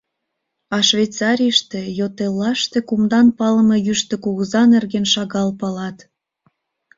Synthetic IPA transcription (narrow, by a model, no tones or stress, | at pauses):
ɑʃvejt͡sɑɾʲijʃt̪ejot̪elːɑʃt̪e̽kumd̪ɑnpɑlə̆mɤjyʃt̪ĕkuɣəzɑnerɣenʃɑɣɑlpɑlɑt̪